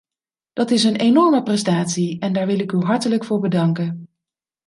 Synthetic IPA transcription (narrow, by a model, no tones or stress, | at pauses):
d̥ɑtɪsənenɔɹməprɛstaːtsiɛndaːɹʋɪlɪkyɦɑɹtələkfʊːɹbədɑŋkən